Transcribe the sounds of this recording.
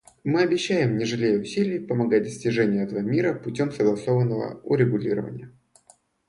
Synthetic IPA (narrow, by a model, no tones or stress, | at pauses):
mɨɐbʲɪɕːæjɪmnʲɪʐɨlʲejəʊsʲilʲɪjpəmɐɡat̚ʲd̪əsʲtʲɪʐɛnʲɪjʊɛt̪əvəmʲiɾəpʊtʲo̞msəɡlˠɐso̞vənːəvə̰ʊ̰ɾʲɪɡʊlʲḭɾə̰və̰nʲɪ̰jə